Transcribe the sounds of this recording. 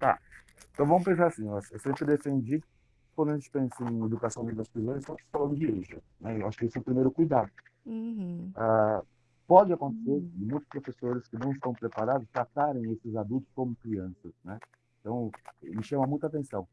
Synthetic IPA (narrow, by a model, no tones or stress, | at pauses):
t̪a̰ | ẽt̪ɐ̃w̃vɐ̃mʊpẽsaɾasĩɔewsẽmpɾɪd̪efẽnd͡ʒi | kwɐ̃nd̪ʊɐaʒẽt͡ʃɪ̥pẽsɐẽed̪ukasɐ̃w̪̃ũd̪ɐspizõz̃st̪ɐ̃falɐ̃nʊd͡ʒɪeʒɐ̰ | nɛewaʃʊ̥kɪesɛʊpɾimejɾʊkujd̪ad̪ʊ | a | pɔd͡ʒɪakõnt̪eseɾɪ̃mũj̃t̪ʊ̥spɾofesoɾɪskɪnɐ̃w̃ɪst̪ɐ̃w̃pɾepaɾad̪ʊst̪ɾat̪aɾẽj̃esɪzad̪uwt̪ʊ̥skõmʊkɾiɐ̃sɐsnɛ̃ | t̪ɐ̃w̃mɪʃɐ̃mɐmũj̃t̪ʊat̪ẽsɐ̃w̃